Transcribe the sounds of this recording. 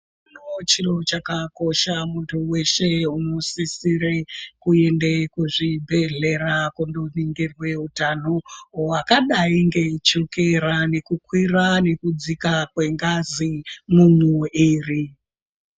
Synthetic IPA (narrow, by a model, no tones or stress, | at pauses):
not͡ʃilot͡ʃakako̞ʃamuntʰuwe̞ʃe̞unosisiɾe̞kue̞ndekuʐibʱe̞ɮe̞ɾakundoniŋɡirwe̞utanoakaɗaiŋɡe̞t͡ʃoke̞ɾane̞kukwirane̞kud͡zikakwe̞ŋɡazimumwuiːri